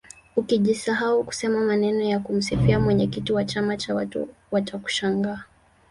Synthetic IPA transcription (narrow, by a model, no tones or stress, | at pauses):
ukiʄisaɦauku̥sɛmamanɛnɔjakum̩sifiamwɛɲɛkitiwat͡ʃamat͡ʃawatṵwataku̥ʃaŋɡaː